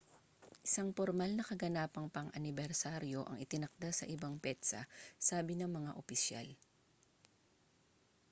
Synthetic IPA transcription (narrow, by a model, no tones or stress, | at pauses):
ʔɪsaŋpoɾmalnɐkɐɡɐnaːpɐŋpɐŋʔɐnɪbɛɾsaɾjo̞ʔɐ̰ŋɪt̪ɪnɐk̚d̪asɐ̰ʔɪbaŋpɛt̪sɐ̰saːbɪnɐŋmɐŋaʔopɪsja̰l